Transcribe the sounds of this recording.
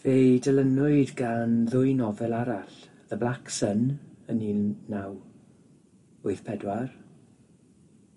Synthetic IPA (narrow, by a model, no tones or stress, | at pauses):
vedələnʊɨdɡanðʊɨnɔvɛlˠaɾaɬ | ðəblˠaksənəniːaw | ʊɨθpʰɛdwar